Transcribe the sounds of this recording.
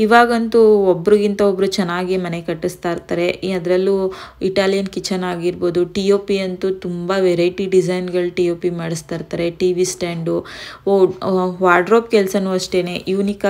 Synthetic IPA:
iʋaːɡɐnt̪uɔbːɾuɡint̪ɐobɾut͡ʃɛnːaːɡimɐnekɐʈːist̪aːiɾt̪aːɾe̞ɐd̪ɾɐlːuiʈaːlijɐnkit͡ʃːɐnaːɡiɾbo̞ːd̪uʈioːpiɐnt̪ut̪umbɐʋeɾɐjʈiɖid͡ʒɐjnɡɐɭʈijo̞ːpimaːɽist̪aːɾt̪aːɾe̞ʈiːʋisʈaːɳɖuoʋaːɾɖɾoːp̚kɛlsɐnuɐʂʈe̞ːne̞juːnik

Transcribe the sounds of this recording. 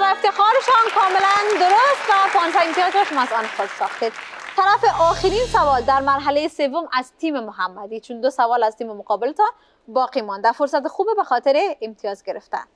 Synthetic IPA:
væeft̪exɒːɾeʃɒnkʰɒːmelænd̪oɾost̪væpɒnʃaemt̪ijɒzɾɔʃomazɒnxod̪sɒxt̪ed̪t̪ʰæɾæfeʔɒːxeɾinsavɒːld̪æɾmæɾɦalejesevːomæzt̪ʰiːmemoɦæmːæd̪iːt͡ʃʰund̪osavɒːlæzt̪iːmemoqɒːbelet̪ɒn | bɒqimɒnd̪æfoɾsat̪exubebexɒt̪eɾeːmt̪ʰijɒzɡeɾeft̪æ̰n

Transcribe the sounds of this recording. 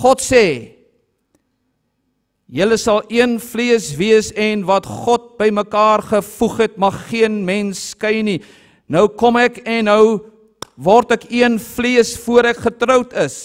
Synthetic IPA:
χɔtsɛː | jələsɐlˠiənfliəsviəsɛnvɐtχɔt̚bəjməkɑːrχəfuχɛt̚mɐχːiənmɛnskəjni | nœwkɔmɛkɛnːəw | vɔrtɛkiənfliəsfuəɾɛkχətɾəwtəs

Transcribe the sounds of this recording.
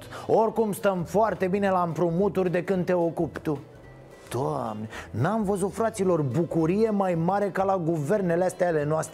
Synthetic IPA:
t̪o̞rkumst̪əmfoart̪e̞bine̞laɨmpɾumut̪urʲd̪e̞kɨnd̪̚t̪e̞o̞kupt̪u | d̪̥oamne̞namvəzut̪fɾat̪silo̞rbukuɾije̞majmaɾe̞kalaɡuve̞rne̞least̪eale̞noast̪ɾe

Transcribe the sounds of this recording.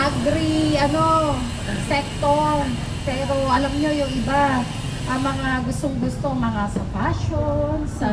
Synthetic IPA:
ʔaɡɾiʔɐno̞ | sɛk̚t̪oɾ | pɛːɾo̞ʔɐlɐmɲo̞jʊŋʔɪba | ʔɐmɐŋaɡʊst̪oŋɡʊst̪o̞ŋmɐŋasɐpaʃons

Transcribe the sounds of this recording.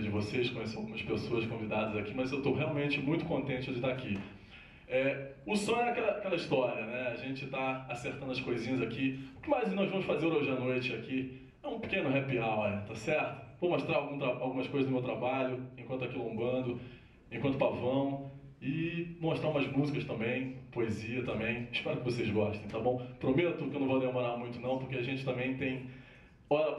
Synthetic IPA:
d͡ʒɪvoseskõjeseawɡũmɐspesoɐskõvid̪ad̪ɐzakimɐzewt̪owɦeawmẽt͡ʃɪmũj̃t̪ʊ̥kõnt̪ẽt͡ʃɪd͡ʒɪt̪aaki | ɛʊsõj̃ɛakɛlɐakɛlɐiʃt̪ɔɾiɐnɛaʒẽt͡ʃɪt̪aaseχt̪ɐ̃nd̪ʊɐskojzĩɲɐzakiʊkɪmajznɔjzvɐ̃mʊsfazeɾoʒɪanojt͡ʃɪaki | ɛũpi̥kẽnʊɦɛpiawɐĩt̪asɛɾt̪ʊ̥vowmoʃt̪ɾaɾawɡũt̪ɾaawɡũmɐskojzɐznʊmewt̪ɾabaʎʊẽkɐ̃nt̪akilõmbɐ̃d̪ʊ | ẽkɐ̃nt̪ʊ̥pavɐ̃w̃ | ɪvomoʃt̪ɾaumɐzmuzikɐst̪ɐ̃mbẽj̃poeziɐt̪ɐ̃mbẽj̃ɪʃpɛɾʊkɪvosezɡɔʃt̪ẽj̃t̪abõw̃pɾomet̪ʊkɪewnɐ̃vod̪emoɾamũj̃t̪ʊnɐ̃w̃pʊɾkeaʒẽt͡ʃɪt̪ɐ̃mbẽj̃t̪ẽj̃ | ɔɾɐ

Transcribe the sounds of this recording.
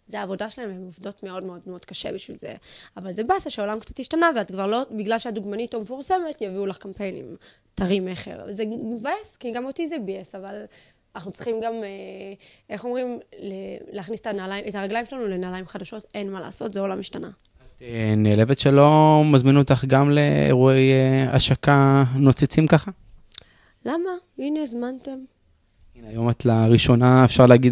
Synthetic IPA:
zeaːvo̞daʃelaevemovdo̞tmeo̞dmeodmeo̞d̥kaʃe̞̰biʃvḭlzḛavalzebasaʃeolamkt͡sḁt̪iʃtanaveatkvaʁlo̞biɡlalʃeaduɡmanitomefuʁse̞me̞tjaviulaχkampe̞jnḭm | taʁimeχḛlzevaeskiɡamotizebiesaval | naχnut͡sʁχimɡameʔeχo̞mʁimleleːχniset̪anaːlaimet̪aʁaɡlajimʃelanulenaːlaimχadaʃo̞t̪enmala̰ːso̞t̪zeolamiʃt̪ana̰ | at̪eneːle̞vet̪ʃelo̞mazminot̪aχɡamleḛʁueja̰ʃakano̞t͡sit͡simkaχa | lamainezmant̪em | inajo̞matlaʁiʃo̞naefʃaʁleːɡid

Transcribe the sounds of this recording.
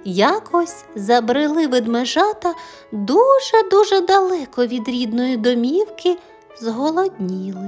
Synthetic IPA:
jakɔsʲ | zɐbɾɪlˠɪʋɪd̪meʒɑt̪ɐ | d̪uʒɛd̪uʒɛd̪ɐlˠɛkɔʋʲid̪ɾʲid̪nɔjid̪ɔmʲiwkɪ | zɦɔlˠɔd̪ʲnʲilˠɪ

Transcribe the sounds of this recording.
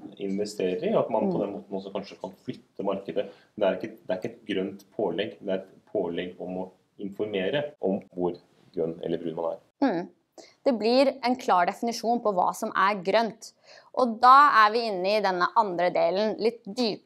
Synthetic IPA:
ɪnʋɛst̪eːɾəɾɑt̪mɑnpʰɔd̪ɛnːmoːt̪n̩ɔs̬ɔkʰɑnʂəkʰɑnflʏt̪ʰːəmɑɾkəd̪ə | d̪ɛæɾɪkːəɛt̪d̪ɛæɾɪkːəɛt̪̚ɡɾœnt̪pʰoːlɛɡːd̪ɛæɾɛt̪pʰoːlɛɡɔmɔ | ɪnfɔɾmeːɾəʔɔmʋʊɾ | ɡɾœnːɛ̰lːəɾbɾʉd̪mɑnæ̰ɾ | m̩ | d̪̥ɛblɪɾɛnkʰlɑːɖɛfɪnɪʂuːnpʰɔʋɑ̰ːsɔmʔæɾɡɾœnt̪ | ʔɔd̪ɑːæɾʋɪɪnːəɪd̪ɛnːəʔɑnd̪ɾəd̪eːlənlɪt̪ːd̪yːp

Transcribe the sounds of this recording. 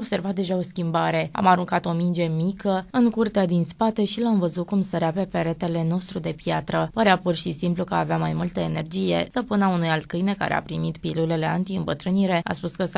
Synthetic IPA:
ob̥se̞rvat̪̚d̪e̞ʒao̞skʲimbaɾe̞a̰maɾuŋkat̪o̞mind͡ʒe̞mikəɨŋkurt̪ead̪inspat̪e̞ʃilamvəzut̪̚kumsəɾeape̞pe̞ɾe̞t̪e̞le̞no̞st̪ɾud̪e̞pjat̪ɾəpəɾeapurʃisimplukəaːveamajmult̪əene̞rd͡ʒije̞̰səpunaunujalt̪̚kɨjne̞ka̰ɾḛa̰pɾimit̪pilule̞le̞ant̪iɨmbət̪ɾɨniɾe̞a̰spuskə

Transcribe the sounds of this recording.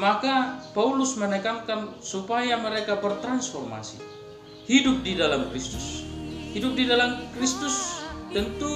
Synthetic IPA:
makapaulusmənɛkaŋkansupajaməɾekabərt̪ɾansfɔrma̰si | hidʊp̚didalamkɾist̪ushidʊp̚didalamkɾist̪ʊst̪ənt̪u

